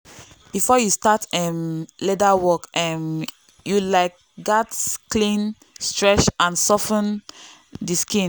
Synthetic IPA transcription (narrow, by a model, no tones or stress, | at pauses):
b̥ifɔjustatɛmledawɔkɛm | julaɪk̚ | ɡatsklĩn | stɹɛt͡ʃãnsɔfə̃n | diskĩn